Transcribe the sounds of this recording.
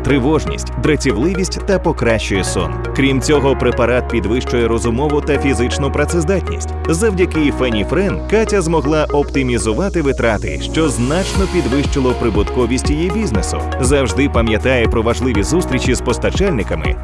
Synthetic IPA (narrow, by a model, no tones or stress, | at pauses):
t̪ɾɪʋɔʒnʲḭsʲtʲd̪ɾɐt͡sʲiwlˠɪʋʲisʲtʲt̪ɐpɔkɾaʃt͡ʃʊjɛsɔ̰n | kɾʲimt͡sʲɔɦɔpɾepɐɾat̪̚pʲid̪ʋɪʃt͡ʃʊjɛɾɔzʊmɔʋʊt̪ɐfʲizɪt͡ʃnʊpɾɐt̪sɛzd̪atʲnʲḭsʲtʲzɐwdʲɐkɪfɛnʲifɾɛnkatʲɐzmɔɦlˠaʔɔpt̪ɪmʲizʊʋat̪ɪʋɪt̪ɾat̪ɪ̰ʃt͡ʃɔznat͡ʃnɔpʲid̪ʋɪʃt͡ʃɪlˠɔpɾɪbʊt̪kɔʋʲisʲtʲijibʲiznesʊ̰ | zɐwʒd̪ɪpɐmʲjɐt̪ajɛpɾɔʋɐʒlˠɪʋʲizust̪ɾʲit͡ʃizpɔst̪ɐt͡ʃɛlʲnɪkɐmɪ̰